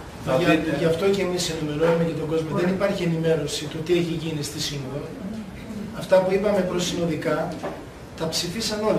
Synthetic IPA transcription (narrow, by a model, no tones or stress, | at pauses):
ɐʝɐft̪o̞ce̞mise̞nime̞ɾo̞numecet̪o̞ɡo̞zmo̞ðenipɐɾçie̞nime̞ɾo̞sit̪ot̪ieçiʝinist̪isinoɾo | ɐft̪ɐpuipɐme̞pɾo̞sino̞ðikɐ | t̪ɐpsifisɐno̞